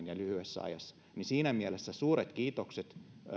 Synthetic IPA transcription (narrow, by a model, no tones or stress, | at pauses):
njælyhyesːæ̰ɑ̰jɑsːɑ̥ | nisiːnæmiælesːæsuːɾet̪kiːt̪okset̪